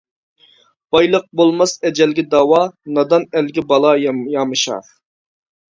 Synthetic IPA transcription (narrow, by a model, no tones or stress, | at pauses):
b̥ɑjlˠəq̚bolˠmɑsɛd͡ʒɛlɡʲɪd̪ɑwɑnɑd̪ɑnɛlɡʲɪbɑlˠɑjjɑmɨʃɑ̰ɾ